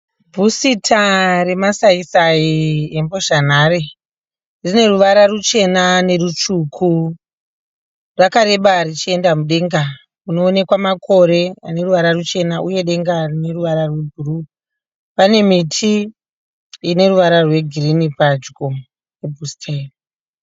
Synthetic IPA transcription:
bʱusitʰare̞masaisaiembo̞ʐan̤aɾe | rine̞ruʋaɾarut͡ʃe̞nane̞rut͡ʃukʰu | rwakaɾe̞ɓarit͡ʃie̞ndamuɗe̞ŋɡa | muno̞ːne̞kwamakʰo̞ɾe̞ane̞ruʋaɾarut͡ʃe̞naʔuje̞ɗe̞ŋɡarine̞ruʋaɾarwe̞bʱuru | pane̞mitʰi | ine̞ruʋaɾarwe̞ɡʱirinipad͡ʒɡo | jebʱustʰer

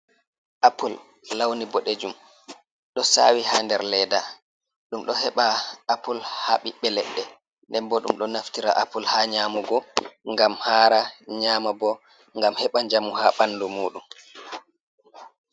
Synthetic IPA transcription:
ʔapulː | awnibɔɗed͡ʒum | ɗɔsa̰ːwihaːndɛɾlɛda | ɗumɗɔhɛɓaːpulhaɓiɓɛlɛɗːɛ | ndɛmbɔɗṵmɗɔnaftiɾa̰ʔapulhaːɲaːmuɡɔŋɡamhaːɾaɲaːmabɔ | ŋɡamhɛɓaɲd͡ʒamuhaɓanːdumuːɗum

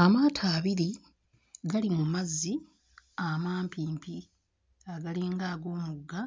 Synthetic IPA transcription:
amaːtʰaːβiɾi | ɡalimumazːi | amaːmpiːmpi | aɡaliːŋɡaːɡo̞ːmuɡːa

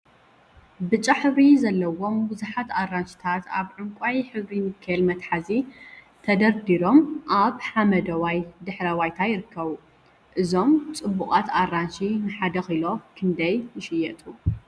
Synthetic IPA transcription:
bɨt͡ʃʼaħɨβɾizɐlːɐwo̞mbɨzaħat̪arːanʃi̥t̪ʰat̪aβʕɨŋkʷʼajħɨβɾimɨkʰːɐlmɐt̪ħazi | t̪ʰɐd̪ɐɾd̪iɾo̞mʔaβħamɐd̪ɐwajd̪ɨħɾɐwajt̪ʰajɪɾɨkːɐβu | ʔɨzo̞mt͡sʼɨbːuqʼat̪ʰarːanʃinɨħad̪ɐxɨlo̞kʰɨnd̪ɐjnɨʃɪjɛt̪ʼu

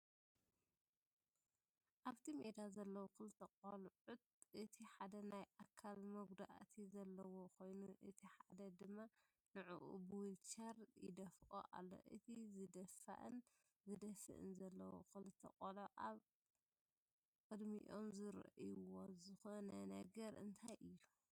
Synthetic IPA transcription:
ʔaβt̪ʰimed̪azɐlːɐwokɨlɨt̪ʰɐkʼɐlʕut̪̚ʔɨt̪ʰiħad̪ɐnajʔakʰːalmɐɡd̪a̰ʔat̪ʰizɐlːɐwokʰo̞jnuʔɨt̪ʰiħad̪ɐd̪ɨmːa | nɨʕuʔṵbɨwilt͡ʃɐɾjɪ̰d̪ɐfʔo̰ʔa̰lːo̞̰ʔɨ̰t̪ʰizɨd̪ɐfa̰ʔɨ̰n | zɨd̪ɐsɨ̰ʔɨ̰nzɐlːɐwo̰kɨlɨt̪ʰːɐ̰qʼɐloʔaβ | kʼɨd̪mḭʔo̰mzɨɾ̰ʔiwozɨxonɐnɐɡɐɾɨ̰nt̪ʰajʔɨjːu

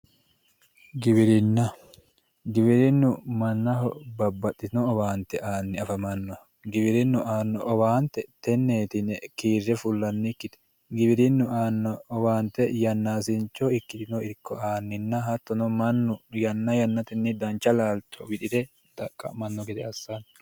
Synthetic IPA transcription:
ɡɪbɪɾɪnːɐ | ɡɪβɪɾɪnːʊmɐnːɐɦɔbɐbːɐtːɪt̪ɪnɔɔbaːnt̪ɛʔaːnːɪɐfɐmɐnːɔ | ɡɪbɪɾɪnːʊʔaːnːɔʔɔbaːnt̪ɛt̪ɛnːeːt̪ɪnɛkiːrːɛfʊlːɐnːɪkːɪt̪ɛ̥ | ɡɪbɪɾɪnːʊaːnːɔːbaːnt̪ːɛjɐnːaːsɪnt͡ʃːɔɪkːɪt̪ɪnɔɪɾkːɔaːnːɪnːɐɦɐt̪ːɔnɔmɐnːʊjɐnːɐjɐnːɐt̪ɪnːɪd̪ɐnt͡ʃːɐlaːlt̪ʰːɔwɪᶑɪd̪ɛ | d̪̥ɐkʼːɐ̰mɐnːɔɡɛt̪ɛɐsːan

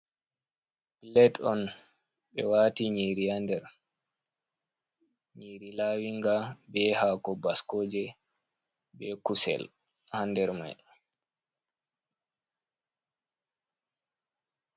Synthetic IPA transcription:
bilɛtɔn | ɓɛ̰waːtiɲiɾihandɛɾ | ɲiːɾilaːwiŋɡabɛhaːkɔbaskoːd͡ʒɛ | bɛkusɛ̰l | handɛɾma̰j

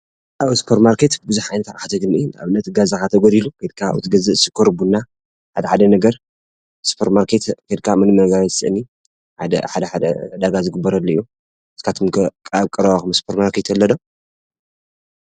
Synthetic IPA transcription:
ʔaβɨspʰɐɾmaɾket̪bɨzuħajnɐt̪ʰaɾħat̪ʰɐɡɨnɨjːa̰βɨnːɐt̪ɡazakat̪ʰɐɡod̪ilukʰjd̪̚kʰa̰wɨt̪ʰɨɡɐzɨʔsɨkʰːoɾbunːa | ħad̪ɐħad̪ɐnɐɡɐɾ | spʰɐɾmaɾkʰet̪kɐjd̪̚kʰamɨnɨmɐɡaβɐt̪sɨ̰ʔni | ħad̪ɐ̰ħad̪ɐħad̪ɐ̰d̪aɡazɨɡɨbːɐɾɐlːɐjːu | ɨskʰat̪ʰomkʼaβkʼɨɾɐβaxɨmɨspʰoɾmaɾkʰet̪ɐlːɐdo

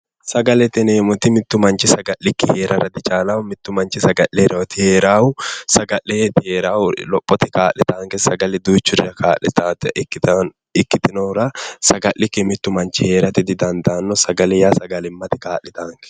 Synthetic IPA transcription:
sɐɡɐlɛt̪ɪneːmʊt̪ɪmɪt̪ːʊmɐnt͡ʃɪsɐɡɐʔɪkːɪhe̞ːɾʔɐ̰ɾɐd̪ɪt͡ʃaːlawʊmɪt̪ːʊmɐnt͡ʃɪsɐɡɐʔeɾɛɔt̪ɪheːɾaːwʊsɐɡɐʔet̪ɪheːɾaːwlɔpʼːɔt̪ɪkaːlːɪt̪aːŋkɛsɐɡɐlɛd̪uːt͡ʃːʊɾɪɾɐkʰaːlɪt̪at̪k̪ː | ɪkːɪt̪ɪnɔwɾɐsɐɡɐʔɪkːɪmɪt̪ːʊmɐnt͡ʃɪhe̞ːɾɐt̪ɪd̪ɪd̪ɐnd̪aːnːɔsɐɡɐlɛjaːsɐɡɐlɪmːɐt̪ɪkaːlːɪt̪aːŋkɛ̥

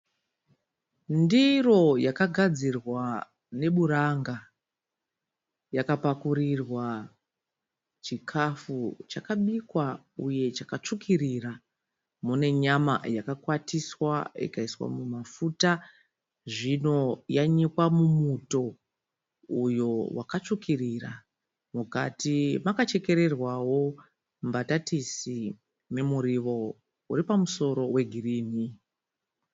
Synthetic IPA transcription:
ndiro̞jakaɡʱad͡zirwa | ne̞ɓuɾaŋɡa | jakapakuɾirwa | t͡ʃikʰafut͡ʃakaɓikwa | uje̞t͡ʃakat͡ʂukirira | mune̞ɲama̰jakakwatiswaḭkaiswa̰mumafuta | ʐino̞jaɲikwamumuto̞ | ujo̞wʔa̰kat͡ʂukirira̰ | muka̰timakat͡ʃe̞ke̞ɾe̞rwawo̞ | mbatatisi | ne̞muɾiʋo̞ | ṵɾipamuso̞ɾo̞we̞ɡʱiriːni

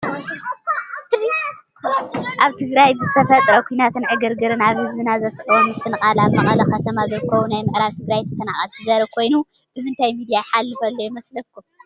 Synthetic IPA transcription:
t̪ɨdi | ʔaβt̪ʰɨɡɾajbɨzɨt̪ʰɐfɐt̪ʼɾɐkʰʷujnat̪ʰɨnʕɨɡɐɾɡɨɾɨnaβhɨzbɨnazɐsʔonɨt̪ʰːɨnɨxʼalamɐxʼɐlɐxɐt̪ʰɐmazɐlkʰːɐwunajmɨʕɾaβt̪ʰɨɡɾajt̪ʰɐ̥fʰɐnaχʼɐlt̪ʰɨzaɾɐkʰo̞jnu | ɨβɨnt̪ʰajmid̪ijaħalːɨfɐlːojmɐslɐkʰːum

